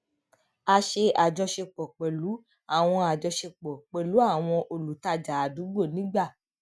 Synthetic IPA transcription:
a˧ʃe˧a˨d͡ʒɔ˧ʃe˧k͡pɔ˨k͡pɛ˨lu˨˦ | a˦˨w̃ɔ̃˧a˨d͡ʒɔ˧ʃe˧k͡pɔ˨k͡pɛ˨lu˨˦a˦˨w̃ɔ̃˧ʔo˧lu˨ta˧d͡ʒa˨a˨du˨˦ɡ͡bo˦˨nĩ˨˦ɡ͡ba˦˨

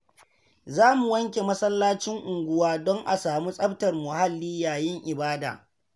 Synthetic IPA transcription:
zaː˦mu˨wɐ˦ŋkʲe˨mɐ˦sɐ˦lːaː˦t͡ʃɪ˦ŋʔʊ˨ŋɡʷʊ˦waː˦dɔ˦ŋʔa˨saː˨mu˦sʼɐ˦btɐ˨rmʊ˨ha˦lːiː˦jaː˨jɪ˦ŋʔɪ˨baː˦da̰ː˨

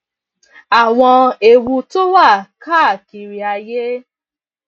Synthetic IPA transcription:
a˨w̃ɔ̃˧e˨wu˧to˦wa˦˨ka˦˨ki˨ɾi˨a˧je˦

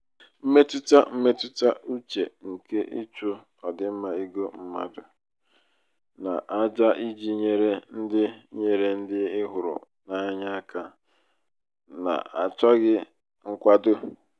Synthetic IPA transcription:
m̩˦me˦tʊ˦ta˦m̩˦me˦tʊ˦ta˦u˦t͡ʃḛ˨ŋ̩˨ke˦ʔḭ˦t͡ʃu˦ | ɔ˨dɪ˨m̩˦ma˨i˦ɡo˦m̩˦ma̰˦dʊ˨ | na̰˨ʔa˦d͡ʒa˦ʔi˦d͡ʒi˦ɲe˦ɾe˦n̩˦dɪ˦ɲe˨ɾe˦n̩˦dɪ˦ɪ˦ɦʊ˨ɾʊ̰˨ | na˦ɲa˦ka˦ | na̰˨a˨tɔ˦ɣɪ˦ | ŋ̩˦kʷa˦dʊ˦

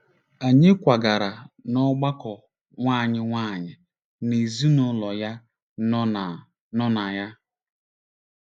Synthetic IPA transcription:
a˨ɲɪ˦kʷa˨ɡa˨ɾa˨nɔ˦ɡ͡ba˦kɔ˨ | ŋʷaː˦˨ɲɪ˦ŋʷa˦˨ɲɪ˨ | ne˨zi˦nʊ˨˦lɔ˨ja˦ | n˦n˨ | nɔ˦na˨ja˦

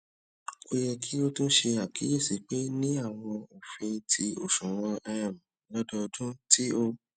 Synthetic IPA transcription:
o˦jɛ˧kʰi˦o˦tũ˦ʃe˧a˨kʰi˨˦je˦˨si˨˦k͡pe˦nĩ˦a˦˨w̃ɔ̃˧o˨fe˧tʰi˧o˦˨ʃũ˨wɔ̃˦ʔɛ˧ã˨m̃˨lɔ˦dɔ˧dũ˦ti˦o˧

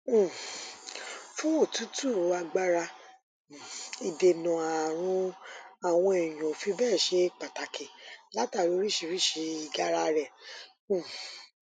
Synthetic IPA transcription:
fũ˦o˦˨tu˨˦tu˦˨˧a˧ɡ͡ba˦ɾa˧˨ | i˨de˨nũ˨a˨ɾ̃ũ˧a˨w̃ɔ̃˧e˨j̃ũ˨fi˧bɛː˦˨ʃe˧˦k͡pa˨ta˨ke˨la˦ta˦˨lo˧˦ɾi˦˨ʃi˧ɾi˦ʃi˧i˨˧ɡa˦ɾa˧ɾɛ̃˨˦˨

